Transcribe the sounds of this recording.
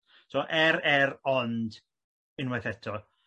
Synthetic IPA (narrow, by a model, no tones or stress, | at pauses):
sɔːʔɛɾɛɾɔnd | ɪnwɛθɛtʰɔ